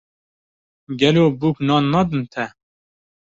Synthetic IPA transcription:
ɡɛloːbuːknɑːnːɑːd̪ɨnt̪ʰɛ

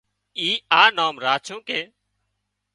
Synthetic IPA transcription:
iːaːnaːmɾaːt͡ʃʰõːkeː

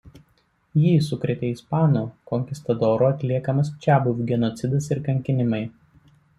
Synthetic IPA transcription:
jiːsʊkɾʲet̪ʲɛɪspɑːnuːkɔŋʲkʲɪst̪ɐd̪ɔːɾoːɐt̪ʲlʲiɛkɐmɐst͡ʃʲæːbʊʋʲuɡʲɛnɔt̪sʲɪd̪ɐsɪɾkɐŋʲkʲɪnʲɪmɐɪ

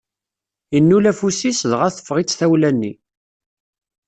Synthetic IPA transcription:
inːulæfusisðʁæθə̥fːʁit͡sːθæwlænːi

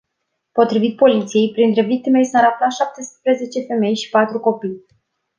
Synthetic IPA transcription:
po̞t̪ɾivit̪̚po̞lit̪sije̞jpɾint̪ɾe̞vik̚t̪ime̞sɨnɾap̚laʃap̚t̪e̞spɾe̞ze̞t͡ʃe̞fe̞me̞jʃi̥pat̪ɾuko̞pij

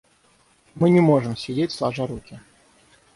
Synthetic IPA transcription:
mɨnʲɪmoʐɨmsʲɪdʲetʲslˠaʐaɾukʲɪ

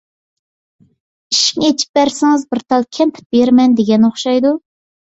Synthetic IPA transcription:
iʃi̥kŋet͡ʃʰi̥p̚bæɾsɪŋɨzbɪɾt̪ʰɑlˠkʲʰɛnt̪ʰɪ̥p̚beɾmɛnd̪eɡʲɛnoχʃɑjd̪u

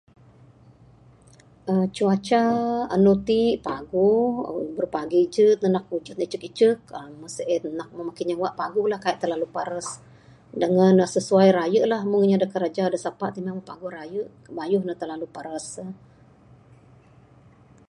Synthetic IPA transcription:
ət͡ʃuat͡ʃaa̰nut̪iʔpaɡṵbərpaɡid͡ʒət̪ənak̚ud͡ʒət̪̚nəit͡ʃəkit͡ʃək̚əməsəʔənak̚məmakɪnɲawaʔpaɡʊlahkaiʔt̪ərlalupaɾəs | dəŋanəsəsuajɾajəʔlahmʊŋiɲadəkəɾad͡ʒadəsapaʔt̪imaməpa̰ɡʊhɾajəʔ | bajʊhnət̪əlalupaɾəs

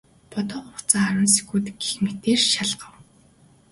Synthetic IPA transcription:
pɔt̪ɔːχʊχt͡saːaɾə̆ns̬i̥xuːt̪ɡexmet̪eːrʃaɮɢə̆w

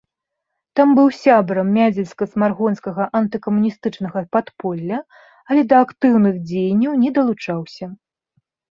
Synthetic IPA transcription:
t̪ambɨwsʲabɾɐmːʲad͡zʲɛlʲskɐsmarɣɔnskɐɣɐʔɐnt̪ɨkɐmunʲist̪ɨt͡ʂn̪ɐɣɐpat̪pɔlʲːɐ | ɐlʲɛd̪ɐːkt̪ɨwnɨɣd͡zʲejnʲːɐwnʲɛd̪ɐlˠut͡ʂawsʲɐ

